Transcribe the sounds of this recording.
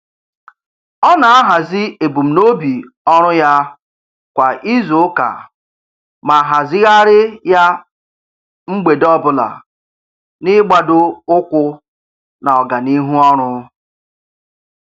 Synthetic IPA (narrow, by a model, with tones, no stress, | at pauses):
ɔ˦na˨a˦ɦa˨zɪ˦e˨bu˨m̩˨no˦bi˨ | ɔ˦ɾʊ˦ja˦ | kʷa˨ʔi˦zo˨˦ka̰˨ | ma˨ɦa˨zɪ˦ɣa˦ɾɪ˦ja˦ | ŋ͡m̩˦ɡ͡be˨dɔ˦bʊ˦la̰˨ | nɪ˦ɡ͡ba˨dʊ˦ʊ˦kʷʊ˦ | na˨ɔ˨ɡa˨ni˦ɦu˦ɔ˦ɾ̃ʊ˦